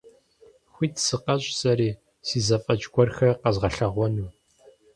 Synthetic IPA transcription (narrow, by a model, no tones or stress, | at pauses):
xʷiːtʰsɨqɐɕʼsʼɐɾiː | siːzɐfʼɐt͡ʃʼɡʷɔrxɐrqɐzʁɐɬɐʁʷɔnuː